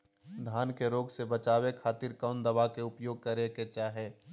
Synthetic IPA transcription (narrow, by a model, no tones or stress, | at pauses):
d̪ʱaːnkeɾoːɡsebət͡ʃaːwekʰaːt̪iɾkɔːnd̪əʋakeʊpjoːɡ̚kəɾeket͡ʃaːɦɛː